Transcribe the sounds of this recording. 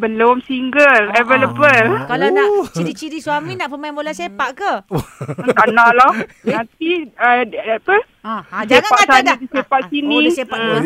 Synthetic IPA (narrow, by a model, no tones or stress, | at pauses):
bəlomsiŋɡəlɛveləbəlkalanaʔt͡ʃiɾit͡ʃiɾiswaminãʔpəmaɛ̃nbolasepaʔkaət̪anãʔlah | nãnt̪iəapə | ãseaʔsanadisepaʔsinĩsea